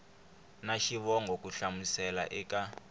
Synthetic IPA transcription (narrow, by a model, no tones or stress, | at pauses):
naʃiβɔŋɡʱok̬ʼuɬamusɛla̰ʔɛka